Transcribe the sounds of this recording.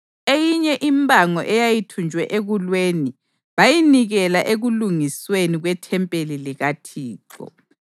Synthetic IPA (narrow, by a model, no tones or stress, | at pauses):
ejiɲɛʔimbʱaŋɔʔɛjajitʰund͡ʒʱwɛʔeɣulweːni | βajiniɣɛlaʔeɣuluŋisweniɣwɛtʰɛmpʼeliliɣatʰiːǃɔ̰